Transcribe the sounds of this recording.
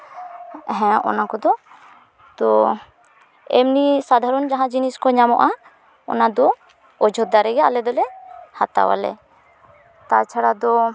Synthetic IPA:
ɦɛ̃ɔ̰nakɔd̪ɔ | t̪ɔ | ɛmnisad̪ʱaɾɔnd͡ʒaɦãd͡ʒiniskɔɲamɔʔa | ɔ̰nad̪ɔ | ɔd͡ʒʱɔd̪aɾɛɡɛa̰lɛd̪ɔlɛhat̪a̰wa̰lɛ̰ | t̪at͡ʃʰaɽad̪ɔ

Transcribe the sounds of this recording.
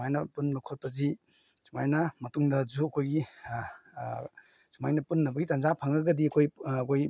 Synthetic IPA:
ajnɐpunbɐkʰot̚pɐzi | sumajnɐmɐtuŋdɐzuɐkʰojɡi | sumajnɐpunːɐbɐɡitanzapʰaŋɐɡɐdiɐkʰojɐkʰoj

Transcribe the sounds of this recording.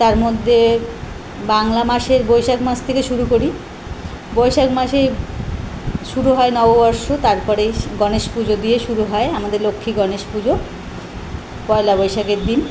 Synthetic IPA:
t̪aɾmod̪ʱːe | baŋlamaʃeɾbojʃakmast̪ʰekeʃuɾukoɾi | bojʃakmaʃej | ʃuɾuɦɔenɔbobɔɾʃot̪aɾpɔɾeɡɔneʃpud͡ʑod̪ieʃuɾuɦɔeamad̪eɾlokʰːiɡɔneʃpud͡ʑo | pɔelabɔjʃakeɾd̪in

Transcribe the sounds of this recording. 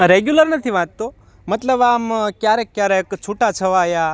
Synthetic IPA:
ɾeɡjuləɾnət̪ʰiʋãt̪t̪o | mət̪ləbamkjaɾekːjaɾekt͡ʃʰuʈat͡ʃʰəʋaja

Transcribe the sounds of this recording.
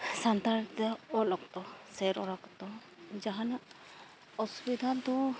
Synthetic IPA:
sant̪aɾit̪ɔɔlɔkt̪ɔseɾɔɾakt̪ɔ | d͡ʒaɦana | ɔsubid̪ʱant̪ɔ̃

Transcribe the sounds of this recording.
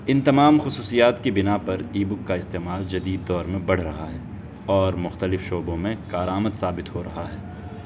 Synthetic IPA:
ɪ̃nt̪ɐmaːmxʊsuːsijaːt̪kibɪnapɐɾiːbʊkːaɪst̪eːmaːld͡ʒɐd̪iːd̪ːɔːɾmẽbɐɽ̤ɾɐɦaɦɛː | ɔːɾmʊxt̪əlɪfʃoːbõmẽkaːɾaːməd̪saːbɪt̪ɦoɾɐɦaɦɛː

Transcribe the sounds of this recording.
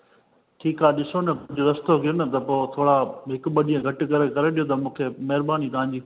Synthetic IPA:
ʈʰiːkaːɗɪsonɐpd͡ʑoɾɐst̪oɡɪnɐt̪ɐpoːt̪ʰoːɽaɦɪkɓɐɗijə̃ɡʱɐʈɪ̆kɐɾekɐɾeɗijot̪̬ɐmũːkʰemɐɦɪɾbaːnit̪ɐʋãɲ̆d͡ʑiː

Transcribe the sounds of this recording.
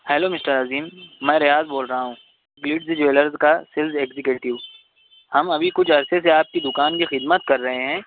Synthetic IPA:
hɛloːmɪsʈəɾaziːmːɛ̃ːɾɪjaːzboːlɾɐɦaɦũː | ɡlɪːɖzd͡ʒeːləɾzkasɪlzeːɡzɪkjuːʈɪʋ | hɐmɐbʱikʊt͡ʃʰɐɾseseaːp̚kid̪ʊkaːnkixɪd̪mət̪kɐɾːɐɦeɦɛ̃ː

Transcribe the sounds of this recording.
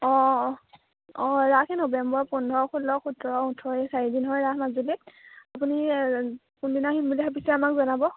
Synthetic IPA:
ɔ̃ | ɔ̃ɹakʰɛnɔbɛmbɔɹpɔndʱɔɔxulɔxutɔɹɔutʰɔɛsaɹidinɦɔjɹaɦmazulitapuni | kundinaximbulixapisɛamakzɔnabɔ

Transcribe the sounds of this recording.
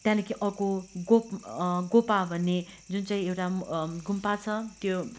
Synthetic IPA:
t̪jãnʌkʰiʔʌkoɡopɡopabʱʌnːe | d͡zunt͡saĩewʈaɡʱumpat͡sʰʌt̪jo

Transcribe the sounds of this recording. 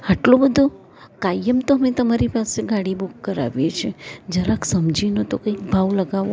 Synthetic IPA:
aʈlobəd̪ʱo | kajəmt̪oəmet̪əmaɾipaseɡaɽibukːəɾa̰ʋjet͡ʃʰed͡ʒəɾaksəmd͡ʒinot̪okəik̚bʱaʋləɡaʋo

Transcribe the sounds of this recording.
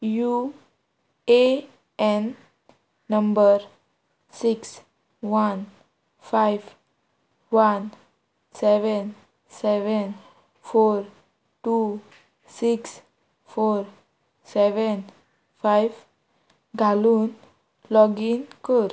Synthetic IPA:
ju | e | ɛnː | əmbəɾ | siks | ʋan | fajʋ | ʋan | sɛʋən | sɛʋən | foɾ | ʈu | siks | foɾ | sɛʋən | fajʋ | ɡʱaluːn | lɔɡinkəɾ

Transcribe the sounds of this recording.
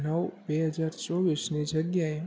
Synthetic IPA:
nəʋbeɦəd͡ʒaɾt͡ʃɔʋisnid͡ʒəɡjae

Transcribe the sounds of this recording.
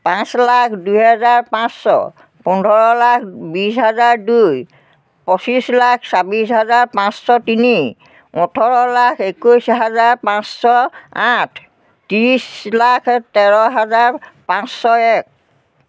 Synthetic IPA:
pãslakʰdujɦɛzaɹpãsːɔ̰ | pɔndʱɔɹɔlakʰbisɦazaɹduj | pɔsislakʰsabisɦazaɹpãsːɔtini | ɔtʰɔɹɔlakʰekujsɦazaɹpãssɔatʰ | tiɹislakʰtɛɹɔɦazaɹpãsːɔɛk̚

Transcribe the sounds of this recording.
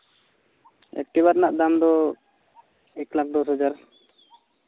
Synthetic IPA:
ɛ̰k̚ʈiβaɾnaʔd̪amd̪ɔ | ɛklak̚d̪ɔsɦɔd͡ʒaɾ

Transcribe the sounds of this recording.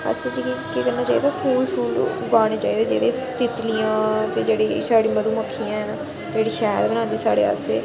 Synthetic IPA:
ə̰t͡ʃt͡ʃəd͡ʒikikekəɾnaːt͡ʃaːid̪aːfʰuːlfuːlo̰ | ɡaːɽ̃eːt͡ʃaːiːd̪eːd͡ʒḛːɽeːst̪ɪt̪lijãːt̪eːd͡ʒeːɽeːsaːɽiːməd̪uːməkʰːijãːɦɛnaː | d͡ʒeːɽiːʃɛːəɾbənaːnd̪iːsa̰ːɽḛːa̰sḛː

